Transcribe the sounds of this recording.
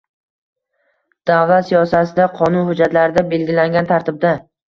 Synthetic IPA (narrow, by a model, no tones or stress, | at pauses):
d̪̥awlˠat̪sijɒsat̪ɪd̪aqʰɒnʊnhʊd͡ʒat̪laɾɪd̪abe̞lɡʲɪlaŋɡʲant̪ʰaɾt̪ʰɪb̚d̪a